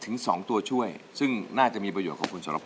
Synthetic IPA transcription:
t̪ʰɯ˩˦ŋsɔ̰ː˩˦ŋt̪u˧ət͡ɕʰu˥˩əj | sɯ˥˩ŋnaː˥˩t͡ɕa˨˩ʔmiː˧p̬ɾa˧joː˨˩t̚kʰːkʰu˧nsa˨˦˥la̰˧˩pʰ

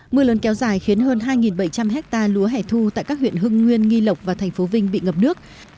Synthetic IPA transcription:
mɨ˧ələ˨˦nkɛ˨˦wzaː˧˩jxi˨˦ənɦəː˧nɦaː˧jŋi˨˩nɓə˧˩jt͡ɕa˧mɦɛ˦˥k̚t̪aː˧lu˨˦əɦɛ˧˩t̪ʰu˧t̪a̰ː˧˨jkaː˦˥k̚hwḭ˧˨ənɦɨ˧ŋːwi˧ənŋi˧lə˨˩wk͡p̚vaː˨˩t̪ʰɛ˨˩ŋ̟fo˨˦vï˧ŋ̟ɓḭ˧˨ŋə˨˩p̚nɨ˦˥ək̚

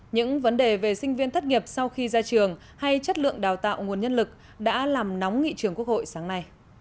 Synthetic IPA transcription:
ɲɨ̰˧˥ŋvə˨˦nɗe˨˩ve˨˩sï˧ŋ̟vi˧ənt̪ʰa˦˥t̚ŋi˨˩əp̚sa˧wxi˧zaː˧t͡ɕɨ˨˩əŋ | ha˧jt͡ɕə˦˥t̚lɨ̰˧˨əŋɗaː˨˩wt̪a̰ː˧˨wŋu˨˩ənɲə˧nlɨ˨˩k̚ | ɗa̰ː˧˥laː˨˩mnɔ˨˦wŋ͡mŋḭ˧˨t͡ɕɨ˨˩əŋku˥ək̚ho̰˧˨jsaː˨˦ŋna˧j

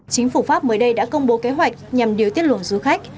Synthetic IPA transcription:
t͡ɕï˨˦ŋ̟fu˧˩faː˦˥p̚məː˨˦jɗə˧jɗa̰ː˧˥kə˧wŋ͡mɓo˨˦ke˨˦ɦwa˨˩jk̟̚ɲa˨˩mɗi˨əwt̪i˦˥ət̚wə̰˧˨nzu˨˧˦xa˦˥k̚

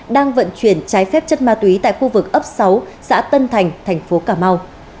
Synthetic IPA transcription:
ɗaː˧ŋvə̰˧˨nt͡ɕwi˧˩ənt͡ɕaː˨˦jfɛ˦˥p̚t͡ɕə˧n̚maː˧˩t̪wi˨˦t̪a̰ː˧˨jxu˧vɨ˨˩k̚ʔə˦˥p̚sa˨˦wsa̰ː˧˥t̪ə˧nt̪ʰa˨˩jŋ̟t̪ʰɛ˨˩jŋ̟fo˨˦kaː˧˩ma˧w

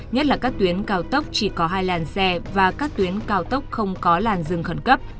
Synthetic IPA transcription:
ɲə˦˥t̚laː˨˩kaː˦˥k̚t̪wi˨˦ənkaː˧wt̪ə˦˥wk͡p̚t͡ɕi˧˩kɔ˨˦ɦaː˧jlaː˨˩nsɛ˧vaː˨˩kaː˦˥k̚t̪wi˨˦ənkaː˧wt̪ə˦˥wk͡p̚xə˧wŋ͡mkɔ˨˦laː˨˩nzɨ˨˩ŋxə˧˩nkə˦˥p̚

